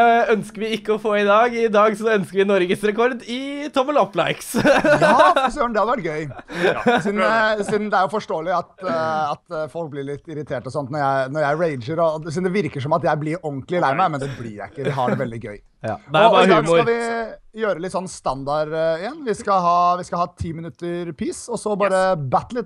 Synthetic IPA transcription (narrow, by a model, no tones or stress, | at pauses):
œnskəɾʋɪɪkːəɔfoːɪd̪ɑːɡɪd̪ɑːɡsɔœnskəɾʋɪnɔɾɡəsɾɛkʰɔɾd̪ɪt̪ʰɔməlɔpːlɑɪks | sɔjøːnd̪ɛhɑd̪ɛʋæʈ̚ɡœʏ | sd̪nsid̪nd̪ɛæɾjʊfɔʂʈoːəlɪɑt̪ɑt̪fɔlk̚blɪɭɪt̪ːɪɾɪt̪ʰeːʈɔsɔnt̪nɔɾjæɪnɔɾjæɪɹeɪd͡ʒəɾɔsiːd̪ɛʋɪɾkəʂɔmɑt̪jæɪblɪɾɔŋklɪlæɪmæmɛnd̪ɛblɪɾjæ̰ɪkːəd̪ɛɦɑɖɛʋɛld̪ɪɡœ̰ʏ | d̪ɑɑʋɪjøːɾəlɪt̪sɔnːst̪ɑnd̪ɑɾɪjɛnːʋɪskɑɦɑːʋɪskɑhɑːt̪ʰiːmənʉt̪ːəɾpʰiːsɔsɔbɑːɾəbæt̪ːlɪt̪ː